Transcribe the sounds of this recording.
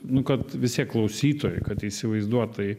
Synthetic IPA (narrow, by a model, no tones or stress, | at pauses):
nʊkɐt̪ʋʲɪst̪ʲiɛkːlˠɐʊsʲiːt̪oːjɛɪkɐt̪iːsʲɪʋɐɪzd̪uɔtt̪ɐj